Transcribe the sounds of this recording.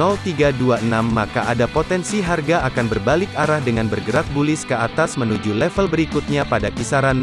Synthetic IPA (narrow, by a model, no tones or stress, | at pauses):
ɔlt̪iɡaduaənamːaka̰ʔadapot̪ɛnsiɦarɡaʔakanbərbalɪkaɾahdəŋanbərɡəɾak̚bulɪskəat̪asmənud͡ʒulɛfəlbəɾikut̪̚ɲapadakisaɾan